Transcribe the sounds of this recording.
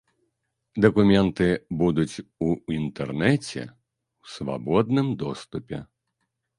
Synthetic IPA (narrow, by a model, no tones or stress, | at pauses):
d̪ɐkumʲɛnt̪ɨbud̪ut͡sʲuint̪ɛrnɛt͡sʲɛ̰ | wsva̰bɔd̪̚nɨmd̪ɔst̪upʲɛ̰